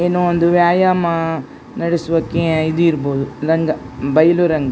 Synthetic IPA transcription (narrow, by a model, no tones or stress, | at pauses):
enuond̪uʋjaːjaːmɐ | nɐɽesʋɐkːeid̪uiɾboːd̪uɾɐŋɡɐ | bɐjɐluɾɐŋɡɐ